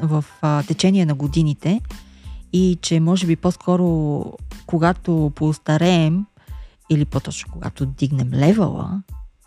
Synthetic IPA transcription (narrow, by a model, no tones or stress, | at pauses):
vɐft̪ɛt͡ʃɛniɛnɐɡod̪init̪ɛ | it͡ʃɛmɔʒɛbiposkʰɔɾo | koɡat̪opoːst̪ɐɾɛːm | ilipot̪ɔt͡ʃno̥koɡa̰t̪od̪iɡnɛmlɛvə̰lˠə̰